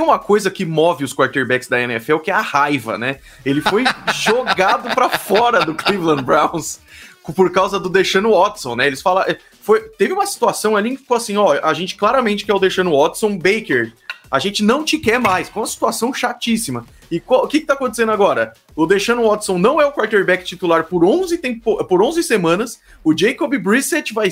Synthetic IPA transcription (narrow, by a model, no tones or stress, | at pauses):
ẽũmɐkojzɐkɪmɔvɪʊskwaɾt̪eɾbɛksd̪ɐẽnɛ̰fɛwkɪɛɐhajvɐ̰nɛ | elɪfojʒoɡad̪ʊpɾɐfɔɾɐd̪ʊklivlɐ̃bɾãw̃skpoɾkawzɐd̪ʊd̪eʃɐ̃nʊɔt̪sõw̃nɛelɪsfalaʔɛ | fojt̪evɪũmɐsi̥t̪uasɐ̃w̃alĩkɪfi̥koasĩɔʔaʒẽnt͡ʃɪ̥klaɾɐmẽnt͡ʃɪkɪɛʊd̪eʃɐ̃nʊɔt̪sõw̃bejkeɾaʒẽnt͡ʃɪnɐ̃w̃t͡ʃɪkɛɾmajskõũmɐsi̥t̪uasɐ̃w̃ʃat͡ʃisimɐ | ɪkõkɪkɪt̪akõt̪e̥sẽnd̪aɡɔɾɐ | ʊd̪eʃɐ̃nʊɔt̪sõw̃nɐ̃w̃ɛʊkwaɾt̪eɾbɛkɪ̥t͡ʃit̪ulaɾpoɾõw̃zɪt̪ẽppoʔpoɾõzɪsemɐ̃nɐs | ʊd͡ʒejkobɪbɾiset͡ʃvaj